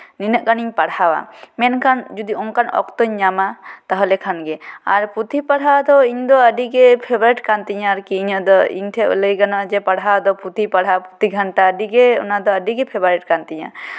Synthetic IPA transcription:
ninəʔkaniɲpaɽawa̰mɛnkʰand͡ʒud̪iɔŋkanɔ̰kt̪ɔɲɲamat̪aɦɔlɛkʰanɡɛa̰ɾput̪ʰipaɽɦawad̪ɔiɲd̪ɔəɖiɡɛpʰɛbɔɾiʈkant̪iɲaɾkiːɲəd̪ɔḭɲt̪ʰɛʔləjɡanad͡ʒɛpaɽɦawad̪ɔput̪ipaɽɦawput̪iɡʱanʈaəɖiɡɛɔ̰nad̪ɔəɖiɡɛpʰɛbɔɾiʈ̚kant̪iɲa̰

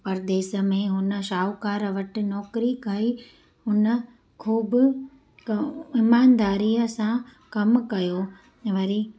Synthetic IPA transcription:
pɐɾd̪eːsə̆mẽɦʊnə̆ʃaːʊkaːɾʋɐʈɪ̆nɔːkɾikai | hʊnə̆ | kʰuːbɪ | ɪmaːnd̪aːɾiːəsãkɐmkɐjoː | ʋɐɾiː

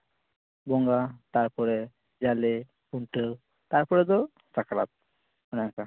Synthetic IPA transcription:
bɔŋɡat̪aɾpɔɾɛ | d͡ʒale | puɳʈəw | t̪aɾpɔɾɛd̪ɔ | sakala̰t̪̚ | ɔnaŋka

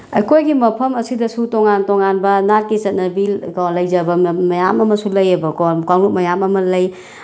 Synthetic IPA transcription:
ɐjkʰojɡimɐpʰɐmɐsidɐsutoŋantoŋanbɐnat̚kit͡ʃɐt̚nɐbilkolɐjd͡ʒɐbɐmɐjamɐmɐsulɐjɐbɐkokalut̚mɐjamɐmɐlɐj

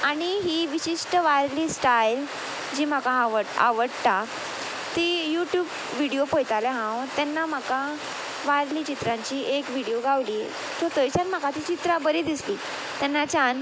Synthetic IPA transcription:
aɽ̃iɦiːʋiɕiʂʈəʋaɾliːsʈajl | d͡ʑiːm̤akãaʋəɽa̰ʋəɽt̪a | t̪ijuʈjuːb | ʋiɽijopojt̪alɛɦãwt̪ɛnːam̤aka | ʋaɾlit͡ɕit̪ɾãɲt͡ɕiːʔekʋiɽioɡʱaʋliː | sʰot̪ət͡ɕanm̤akat̪iːt͡ɕit̪ɾabəɾid̪isliː | t̪ɛnːat͡ɕan

